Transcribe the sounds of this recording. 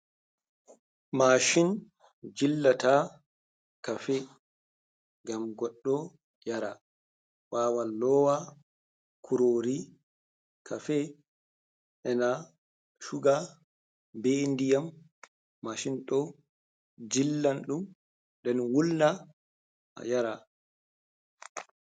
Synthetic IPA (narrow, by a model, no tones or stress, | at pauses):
maʃin | d͡ʒilːata | kafɛ | ɡamɡɔɗːɔ | jaɾa | waːwalːɔwa | kʰuɾoɾi | kʰafɛ | ʔɛna | ʃuɡa | bɛndijamː | aʃinɗɔ | d͡ʒilːanɗum | ɗɛnwulna | a̰jaɾa